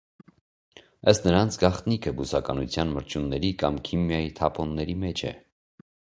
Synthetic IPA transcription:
əst̪nəɾɑnt͡sʰɡɑχt̪nikʰəbusɑkɑnut͡sʰjɑnməɾt͡ʃʰunːɛɾikɑmkʰimjɑjit̪ʰɑpʰɔnːɛɾimɛt͡ʃʰɛ̰

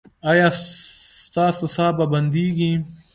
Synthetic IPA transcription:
ɐjaːst̪aːsusaːbabɐnd̪iːɡĩː

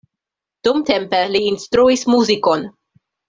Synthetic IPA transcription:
d̥umte̞mpeliːnstɾuismuziko̞n

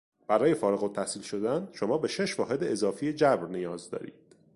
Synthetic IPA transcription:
b̥æɾɒːje̞fɒːɾeɣot̪ʰːæhsiːlʃo̞d̪ænʃo̞mɒːbe̞ʃe̞ʃvɒːɦe̞d̪eːzɒːfijed͡ʒæbɾnijɒːzd̪ɒ̰ːɾḭːd̪̥

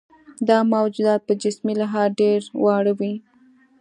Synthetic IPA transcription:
d̪ɑmawd͡ʒud̪ɑt̪̚pəd͡ʒɪsmilaɦɑɾɖeɾwɑɽəwi

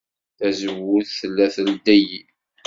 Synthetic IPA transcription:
θæzəwʊðθəlːæθəld̪æji

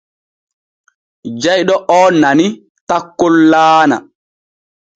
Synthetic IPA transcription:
d͡ʒajɗɔʔɔːnani | takːolːaːna̰

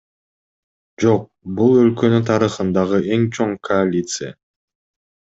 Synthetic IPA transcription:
d͡ʒo̞q̚bulˠø̞lkø̞nynt̪ʰɑɾɯχɯnd̪ɑʁɯʔe̞ŋt͡ʃʰo̞ŋkʰoalʲit̪sɨja̰

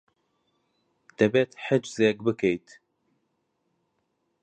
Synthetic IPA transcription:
d̪̥ɐbɛt̪ʰħəd͡ʒzeɡbɨkʰejt̪ʰ

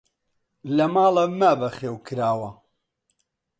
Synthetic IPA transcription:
lɐmaːlɐmabɐχeːwkʰɨɾaːwɐ

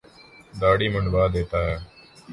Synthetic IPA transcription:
d̪aːɽiːmənʋaːd̪eːt̪aːɦɛː

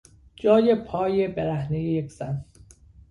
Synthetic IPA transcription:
d͡ʒɒːjepʰɒːjebeɾæhnejejekʰz̥æn

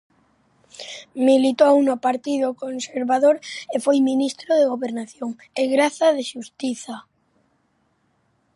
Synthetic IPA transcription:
milit̪oaunopaɾt̪ið̞okonseɾβaðoɾefwojmĩnist̪ɾoð̞eɣoβeɾnaθjoŋ | eɣɾaθaðeʃust̪iθa

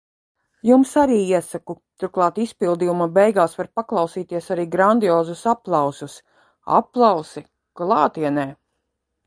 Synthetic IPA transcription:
jumsaɾiːiɛsakut̪uɾklˠɑːt̪ispilˠd̪iːjumabɛjɡaːsvaɾpaklˠɑwsiːt̪iɛsaɾiːɡɾand̪iɔːzusaplˠɑwsus | a̰pːlˠɑwsi | klˠɑːt̪iɛnɛː

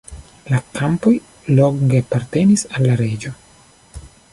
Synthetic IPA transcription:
lakampo̞j | lo̞ŋɡeapaɾte̞nisalːaɾe̞d͡ʒo̞

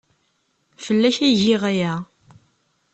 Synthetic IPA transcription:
fəlːæçæʝɪʁæjæ

